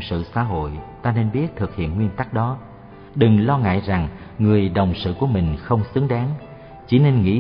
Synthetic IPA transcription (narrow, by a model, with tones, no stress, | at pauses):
sɨ̰˧˨sa̰ː˧˥ɦo̰˧˨jt̪aː˧ne˧nɓi˦˥ət̚t̪ʰɨ˨˩k̚hḭ˧˨ənŋwi˧ənt̪a˦˥k̚ɗɔ˨˦ | ɗɨ˨˩ŋlɔ˧ŋa̰ː˧˨jza˨˩ŋŋɨ˨˩əjɗə˨˩wŋ͡msɨ̰˧˨ku˧˩əmï˨˩ŋ̟xə˧wŋ͡msɨ˨˦əŋɗaː˨˦ŋ | t͡ɕḭ˧˩˦ne˧nŋḭ˧˥